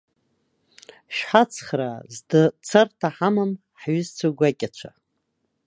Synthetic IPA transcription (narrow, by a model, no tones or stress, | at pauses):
ʃħat͡sʰχra̰zdɨt͡sʰartʰaħamam | ħɥʏzt͡sʷʰaɡʷakʲʼat͡ʃʷʰa